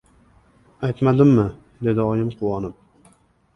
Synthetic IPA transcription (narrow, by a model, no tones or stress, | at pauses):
ajt̪mad̪ɪmːɪ | d̪e̞d̪ɪɒjɪmqʰʊwɒnɪp̚